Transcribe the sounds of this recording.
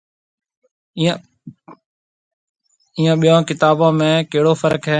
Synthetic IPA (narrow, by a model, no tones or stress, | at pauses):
iːãːɓijãːkɪt̪aːbãːmẽːkeɦɪɽoːfəɾəkɦɛː